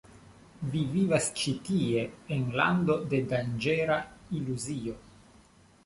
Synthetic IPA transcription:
vivivast͡ʃit̪ie̞ːnla̰nd̪o̞de̞dand͡ʒeɾailuzio

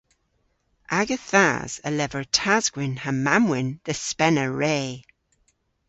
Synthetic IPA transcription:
ʔaɡəθa̰z̥ə̰lɛvəɹtʰazɡ̥wɪnhammːamwɪnðəspɛnəɹeː

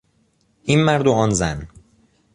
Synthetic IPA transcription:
ʔiːnmæɾd̪oɒːnzæn

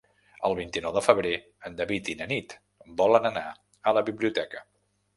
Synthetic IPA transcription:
əlˠβint̪inɔwðəfəβɾe | ənd̪əβit̪inənit̪ | bɔlənəna | ələβiβliut̪ɛkə

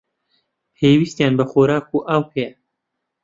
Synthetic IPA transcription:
pʰeːwist̪jaːnbɐxoːɾaːkuʔaːwhʰɐjɛ

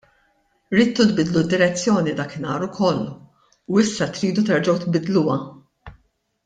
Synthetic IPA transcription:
ɾiːt̪ːut̪bɪd̪lud̪ːɪɾɛt͡sːjɔːnid̪ɐːkɪnɐːɾʊkʰɔlː | uɪsːɐt̪ɾiːd̪ut̪ɛɾd͡ʒɐwt̪bɪd̪luwɐ

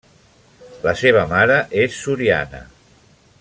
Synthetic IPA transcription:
ləseβ̞əmaɾəʔesːuɾia̰nə̰

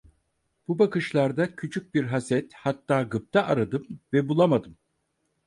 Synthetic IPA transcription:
b̥ubakɯʃlˠaɾd̪acʰyt͡ʃʰyc̚biɾɦasɛt̪hat̪ːaːɡɯp̚t̪ʰaʔaɾad̪ɯmvɛbulˠamad̪ɯm

